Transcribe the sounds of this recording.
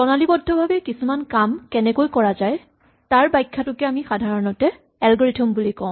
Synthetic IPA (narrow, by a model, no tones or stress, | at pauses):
tɔnalibɔdʱːɔbʱabɛkisumankamkɛnɛkojkɔɹazaj | taɹbajkʰːatʊkɛamixadʱaɹɔnɔtɛ | ɛlɡɔɹitʰɔmbulikɔʊ̃